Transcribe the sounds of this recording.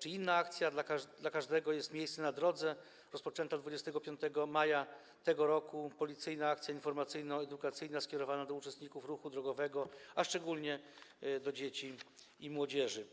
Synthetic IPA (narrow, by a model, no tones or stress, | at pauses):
t͡ʂɘinːaakt̪sʲjad̪lakad̪lakaʐd̪ɛɡɔjɛst̪mʲejssɛnad̪ɾɔd̪zɛ | ɾɔspɔt͡ʂɛnt̪ad̪vud͡ʑɛst̪ɛɡɔpʲjɔ̃nt̪ɛɡɔmaja | t̪ɛɡɔɾɔkupɔlʲit̪sɘjnaakt̪sʲjainfɔɾmat̪sɘjnɔɛd̪ukat̪sɘjnaskʲɛɾɔvanad̪ɔut͡ʂɛst̪ɲikufɾuxud̪ɾɔɡɔvɛɡɔaʂt͡ʂɛɡulɲɛd̪ɔd͡ʑet͡ɕi | imwɔd͡ʑɛʐɘ